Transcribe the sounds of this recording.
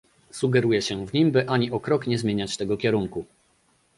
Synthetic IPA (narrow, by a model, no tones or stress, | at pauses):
suɡɛɾujɛɕɛvɲimbɘʔaɲiʔɔkɾɔkɲɛzmʲeɲat͡ɕt̪ɛɡɔkʲɛɾuŋku